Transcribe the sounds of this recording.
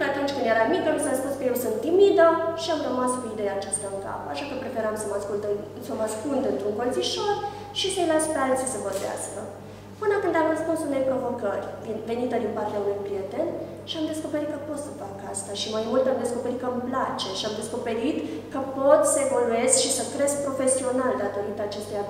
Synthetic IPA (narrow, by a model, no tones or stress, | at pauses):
kəat̪unt͡ʃʲkɨnd̪je̞ɾamikənosəɾəspunskəje̞wsɨnt̪t̪ːimid̪əʃiamrəmasoid̪e̞jaːt͡ʃast̪aɨŋka̰pəaʃakəpɾe̞feɾamsəmaskuld̪ | səmaskuld̪ɨnt̪ɾuŋkonziʃo̞r | ʃisəjlaspalsisəvorvea̰skə | pɨnəkɨnd̪amrəspunsune̞jpɾo̞vo̞kərʲdinve̞nit̪əd̪inpart̪eaunujpɾije̞t̪e̞n | ʃiamd̪e̞sko̞pe̞ɾit̪̚kəpo̞t̪səfakəast̪aʃimajmult̪amd̪e̞sko̞pe̞ɾit̪̚kəmplat͡ʃe̞ʃiamd̪e̞sko̞pe̞ɾit̪kəpo̞t̪səe̞vo̞lue̞zkʃisəkɾe̞sk̚pɾo̞fe̞sio̞nald̪at̪o̞ɾit̪əːt͡ʃest̪eja